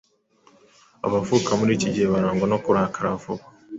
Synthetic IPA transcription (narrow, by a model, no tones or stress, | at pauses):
a̰βavukamuɾiːciɟiheβaɾaːŋɡanokuɾakaɾavuka